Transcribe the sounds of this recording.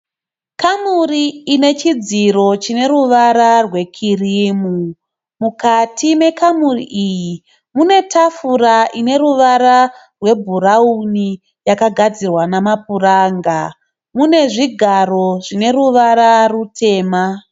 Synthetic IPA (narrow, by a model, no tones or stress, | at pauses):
kamuriːne̞t͡ʃid͡ziro̞t͡ʃine̞ɾuʋaɾarwe̞kʰirimu | mukatʰime̞kamurḭʔiji | mune̞tʰafuraʔine̞ɾuʋaɾa | rwe̞bʱuɾauni | jakaɡʱad͡zirwanamapuraːŋɡa | mune̞ʐiɡʱaro̞ʐine̞ɾuʋaɾarutʰe̞ːma